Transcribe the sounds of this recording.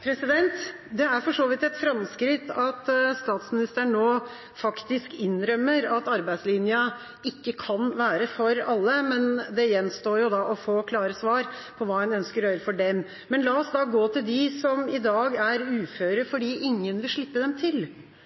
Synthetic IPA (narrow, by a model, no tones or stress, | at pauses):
pʰɾɛsɪd̪ɛnt̪ | d̪ɛæɾfɔʂoːʋɪt̪ɛt̪fɾɑmskɾɪt̪ːɑt̪st̪ɑːt̪smɪnɪst̪əɳnoː | fɑkt̪ɪskɪnːɾœmːəɾɑt̪ɑɾbæɪslɪnjə | ɪkːəkʰɑnʋæːɾəfɔɾɑlːəmɛnd̪ɛjɛnst̪oːɾjʊd̪ɑʔɔfoːkʰlɑːɾəsʋɑːɾ | pʰɔʋɑːɛnœnskəɾœʏɾəfɔɖɛm | mɛnlɑːɔsd̪ɑːɡoːt̪ʰɪld̪ɪsɔmɪd̪ɑːɡæɾʉːføːɾəfɔɖiːʔɪŋːənʋɪlʂɭɪpːəd̪ɛmt̪ʰɪl